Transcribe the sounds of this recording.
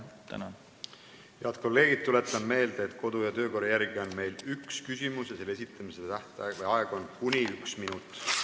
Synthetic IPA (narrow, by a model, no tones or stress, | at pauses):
t̪æ̰nɑ | jeɑd̪̥ko̞lːe̞ːɡ̥id̪̥̚t̪ːule̞t̪ˑːɑnme̞ːld̪̥eːt̪ˑkʰo̞d̪̥ujɑt̪ø̞ːko̞ɾɑjæɾɡ̥io̞nme̞jlykskysʲimusjɑse̞lːesit̪ːˑɑmiset̪æht̪ɑvjɑeɡ̥onkunʲiyksminut̪ːˑ